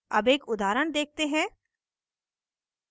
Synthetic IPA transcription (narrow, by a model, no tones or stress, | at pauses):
ɐbeːkʊd̪aːɾəɽ̃d̪eːk̚ʰt̪eɦɛ̃ː